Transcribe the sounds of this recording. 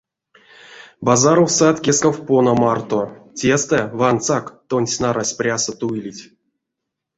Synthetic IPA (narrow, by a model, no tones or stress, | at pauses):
bazaɾowsat̪kʲeskawponamart̪otʲest̪ɛvant̪sakt̪onʲsʲnaɾasʲprʲasət̪uilʲitʲ